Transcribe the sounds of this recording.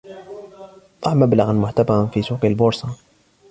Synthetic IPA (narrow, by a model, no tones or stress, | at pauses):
t̪ˤɑʕmablaɣanmʊħt̪afɑɾnfisuːqilbʊɾsɑ